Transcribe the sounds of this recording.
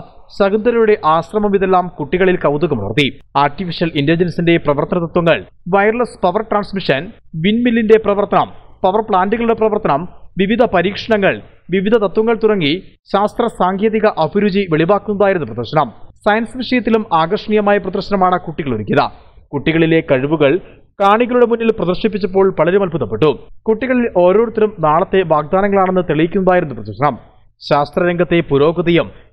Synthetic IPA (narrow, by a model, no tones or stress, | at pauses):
ɕɐɣund̪ɐɾɐjuɽe̞ʔaːɕrɐmɐmiðelːaːmkuʈːiɣɐɭilkɐwd̪uɣɐmɐ̰rt̪iaːrʈifiɕɐlindeld͡ʑensinde̞prɐʋɐrt̪ɐnɐt̪ɐt̪wɐŋːɐ̰ɭ | ʋɐjrlɐspɐʋɐrʈraːnsmiʂɐnʋinmilːinde̞prɐʋɐrt̪ɐnɐmpɐʋɐrpɭaːnduɣɐɭuɽe̞prɐʋɐrt̪ɐnɐmʋiʋid̪ʱɐpɐɾiːkʂɐɳɐŋːɐɭ | ʋiʋid̪ʱɐt̪ɐt̪wɐŋːɐɭt̪urɐŋːi | ɕaːst̪rɐsaːŋkʰeːðiɣɐʔɐbʱuɾud͡ʑiʋeɭibaːkːunːɐðaːjiɾunːuprɐd̪ɐrɕɐnɐmsɐjɐnsʋiʂɐjɐt̪ːilumaːɡɐrʂɐɳijɐmaːjɐprɐd̪ɐrɕɐnɐmaːɳɨkuʈːiɣɐɭoɾukʲːiɐðɐ̰ | kuʈːiɣɐɭilekɐɻuʋuɣɐɭ | kaːɳiɣɐɭuɽe̞munːilprɐðɐrʂip̬ːit͡ɕːɐp̬ːo̞ːɭpɐɭɐɾemɐlbʱuðɐpːe̞ʈːukuʈːiɣɐɭilo̞ːɾo̞ːɽut̪ːɐlumnaːɭɐt̪ːe̞ʋaːɡ̚d̪aːnɐŋːɐɭaːɳenːɨt̪eɭijikʲːunːɐðaːjiɾunːuprɐd̪ɐrɕɐnɐm | ɕaːst̪rɐɾeŋɡʱɐt̪ːe̞puɾo̞ːɣɐðɐjɐm